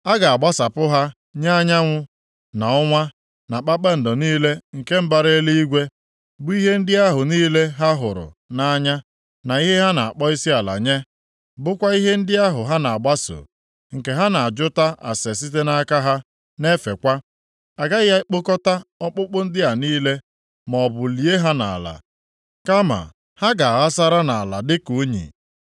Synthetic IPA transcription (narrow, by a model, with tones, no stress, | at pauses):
a˦ɡa˨a˨ɡ͡ba˦sa˨pʊ˦ɦa˦ | ɲa˦a˦ɲa˦ŋʷʊ˦ | na˨ɔ˦ŋʷa˦ | na˨k͡pa˦k͡pe˦n̩˨dɔ˨niː˦le˦ŋ̩˨ke˦m̩˦ba˨ɾe˦li˦i˦ɡʷe˦ | bʊ˦i˦ɦe˦n̩˦dɪ˦a˦ɦʊ˨niː˦le˦ɦa˦ɦʊ˨ɾʊ̰˨na˦ɲa˦ | na˨i˦ɦe˦ɦa˦na˨a˨k͡pɔ˦i˦si˦a˨la̰˨ɲe˦ | bʊ˦kʷa˦i˦ɦe˦n̩˦dɪ˦a˦ɦʊ˨ɦa˦na˨a˨ɡ͡ba˦so̰ː˨ | ŋ̩˨ke˨ɦa˦na˨a˨d͡ʒʊ˦ta˦ʔa̰˨se˨s̬i˦t̬e˦na˦ka˦ɦa˦ | ne˦fe˨kʷa˦ | a˨ɡa˦ɪ˦ja˦k͡po˦kɔ˦ta˦ɔ˦k͡pʊ˦k͡pʊ˦n̩˦dɪ˦a˨niː˦le˦ | mɔ˨bʊ˨li˨e˦ɦa˦na̰˨la̰˨ | ka˦ma̰˨ | ha˦ɡa˨a˨ɣa˦sa˦ɾa˦na˨a˨la˨dɪ˦ko˨˦ɲḭ˨